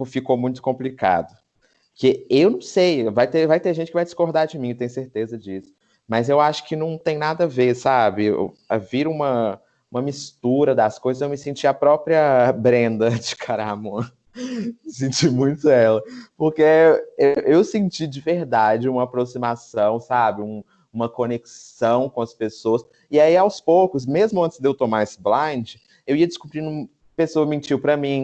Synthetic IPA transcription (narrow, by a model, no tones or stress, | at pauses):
ʊfikomũj̃t̪ʊ̥kõmplika̰d̪ʊ | keewnɐ̃w̃sejvajt̪evajt̪eɾʒẽnt͡ʃɪkɪvajd͡ʒɪskoɾd̪aɾd͡ʒɪmĩɪt̪ẽj̃ʊ̃seɾt̪ezɐd͡ʒisʊ̥ | mɐzewaʃʊ̥kɪnɐ̃w̃t̪ẽj̃nad̪ɐvesabɪ̰ɐ̰viɾũmɐ | ũmɐmist̪uɾɐd̪ɐskojzɐzewmɪsẽt͡ʃiapɾɔpɾiɐbɾẽnd̪ɐd͡ʒɪkʰaɾamɐ̃ | sẽnt͡ʃimũj̃t̪ʊɛlɐpoɾkeewʔewsẽnt͡ʃid͡ʒɪveɾd̪ad͡ʒɪũmɐapɾosimasɐ̃w̃sabɪũ | ũmɐkõneksɐ̃w̃kõɐspesoɐs | ɪaiawspowkʊs̬mezmʊɐ̃nt̪ɪzd̪ewt̪omaesɪblɐ̃d͡ʒɪ | ewiɐd͡ʒɪskubɾinũm | pesoɐmĩt͡ʃiwpɾɐmĩ